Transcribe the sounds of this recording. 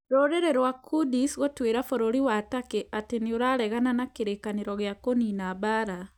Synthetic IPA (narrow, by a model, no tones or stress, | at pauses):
ɾoɾeɾeɾwakudisɣotweːɾafoɾoɾiwatakeʔatenioɾaɾɛɣananakeɾeːkaneɾɔɣeakoninabaɾa